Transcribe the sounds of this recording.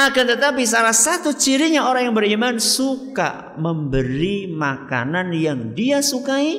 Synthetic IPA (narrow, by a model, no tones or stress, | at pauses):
akant̪ət̪ap̬is̬alahsat̪ut͡ʃiɾiɲaoɾaŋjaŋbərimansuka̰ | məmbəɾimaka̰nanjaŋdiasukai